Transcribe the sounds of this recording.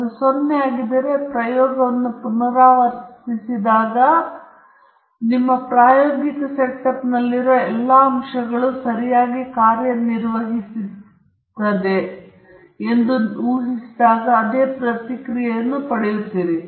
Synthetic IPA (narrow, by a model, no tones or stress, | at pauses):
ɐd̪usonːeaːɡid̪ːɐɾe̞pɾɐjɔːɡɐʋɐnːupunɐɾaːʋɐɾsisid̪aːɡɐ | nimːɐpɾaːjoːɡikɐseʈɐpnɐlːiɾoɛlːɐɐmʂɐɡɐɭusɐɾijaːɡikaːɾjɐniɾʋɐɦisi | t̪ːɐd̪e̞ | end̪uuːɦisid̪aːɡɐːd̪e̞ːpɾɐt̪ikɾijɛjɐnːupɐɽejut̪ːiːɾi